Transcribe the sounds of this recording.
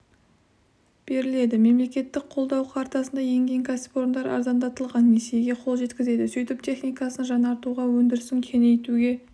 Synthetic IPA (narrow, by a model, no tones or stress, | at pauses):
b̥e̞ɾɪle̞d̪ɪme̞mle̞kʲe̞t̪ːɪk̚qʰo̞lˠd̪ɑwqʰɑɾt̪ɑsənd̪ɑje̞ŋɡʲe̞ŋkʰasɪpo̞ɾənd̪ɑɾɑ̰ɾzɑnd̪ɑt̪əlˠʁɑnːesijeɡʲe̞qʰo̞lˠʒe̞t̪kʲɪze̞d̪ɪsɵjt̪ɪp̚t̪ʰe̞χnijkɑsənʒɑnɑɾt̪uʁɑwɵnd̪ɪɾɪsɪŋkʲʰe̞ne̞jt̪uɡʲe̞